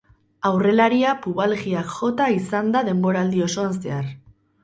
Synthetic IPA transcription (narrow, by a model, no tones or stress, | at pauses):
awre̞laɾiapuβalɣiakʝo̞t̪aisand̪aðe̞mbo̞ɾaːld̪io̞so̞anse̞ar